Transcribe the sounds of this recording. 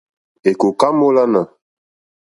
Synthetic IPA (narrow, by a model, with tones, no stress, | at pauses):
e˨ko˨ka˦mo˦la˦na˨